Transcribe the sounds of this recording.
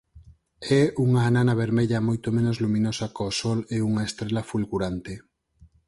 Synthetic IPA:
ɛuŋaːnanɐβ̞eɾmeʎɐmojt̪omẽnozlumĩnosɐkosɔleuŋaest̪ɾelɐfulɣuɾant̪e

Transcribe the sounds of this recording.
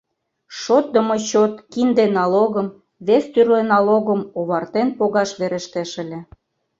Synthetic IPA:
ʃot̪̚d̪ə̆mot͡ɕot̪kind̪enɑloɣəm | βest̪yrlenɑloɣəmoβɑrt̪enpoɣɑʃβeɾĕʃt̪eʃə̆lʲĕ

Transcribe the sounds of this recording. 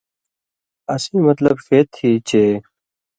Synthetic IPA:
ɐsiːmɐt̪ləbfeːt̪ʰːiːt͡ɕeː

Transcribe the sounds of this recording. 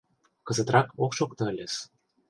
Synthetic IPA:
kɤ̆zɤ̆t̪rɑkokʃokt̪ɤ̆ɘ̆lʲes

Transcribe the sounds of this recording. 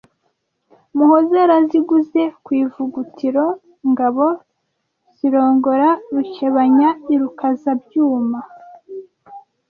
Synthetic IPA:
muhozeɾaziɡuze̞kwiːvuɡutʰiɾo̞ | ŋɡaβo̞ | z̥iɾo̞ːŋɡo̞ɾaɾut͡ʃeβaɲaiɾukazabjuːma

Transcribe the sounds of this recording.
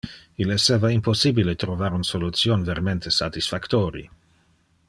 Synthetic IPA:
ileseːvaimposibilet̪ɾovaɾunsolut̪sjonveɾment̪esat̪isfakt̪oːɾḭ

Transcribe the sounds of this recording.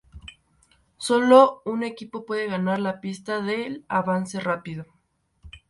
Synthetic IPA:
so̞lo̞une̞kipo̞pwe̞ðe̞ɣanaɾlapist̪aðe̞laβanse̞rapiðo

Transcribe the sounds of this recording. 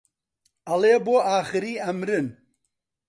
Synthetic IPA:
aleːboaːχɨɾiːamɾɨn

